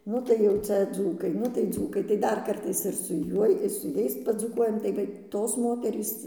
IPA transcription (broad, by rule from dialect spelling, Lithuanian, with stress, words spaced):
ˈnʊ tɐɪ jɛʊ ˈt͡sʲɛ ˈd͡zuːkɐɪ ˈnʊ tɐɪ ˈd͡zuːkɐɪ tɐɪ ˈdɐr ˈkɐrtɐɪs ɪr sʊ ˈjuɔj ɪr sʊ ˈjɛɪs pɐd͡zuːˈkuɔjɛm tɐɪ ˈʋɐ ˈtoːs ˈmoːtʲɛrʲiːs